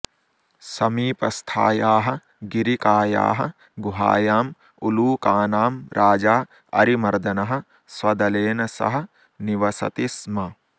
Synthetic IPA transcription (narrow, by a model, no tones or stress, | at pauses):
sɐmiːpɐst̪ʰa̰ːjaːɦɐ̆ | ɡiɾikaːja̰ːɦɐ | ɡuɦa̰ːjaːm | uluːkaːnaːmɾʔaːd͡ʒaː | ɐ̰ɾimɐɾd̪ɐnɐɦɐ̆ | sʋɐd̪ɐleːnɐsɐ̰ɦɐ̆ | niʋɐsɐ̰t̪ismɐ